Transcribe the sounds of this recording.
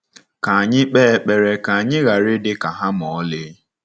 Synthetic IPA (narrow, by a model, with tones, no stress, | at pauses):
ka˨a˨ɲɪ˦k͡peː˦˨k͡pe˨ɾe˨ka˨a˨ɲɪ˦ɣa˨ɾɪ˦dɪ˦ka˨ɦa˦mɔ˨˦lɪ˦